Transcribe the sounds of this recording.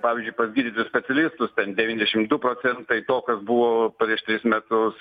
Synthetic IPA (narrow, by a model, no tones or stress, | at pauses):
pɑːʋʲiːzʲd͡ʒʊɪpɐzʲɡʲiːd̪ʲiːt̪ʲʊsʲpʲɛt͡s̪ʲɛlʲɪst̪ʊst̪ʲɛnd̪ʲɛʋʲinʲd̪ʲɛʃʲɪmd̪ʊpɾoːsʲɛnt̪ɐɪt̪oːkɐsbuʋoːpɾʲiɛʃt̪ʲɾʲɪsmʲɛt̪ʊs